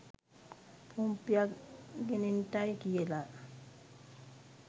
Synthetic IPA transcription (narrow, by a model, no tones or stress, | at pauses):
pʰumpjaɡinintajkijela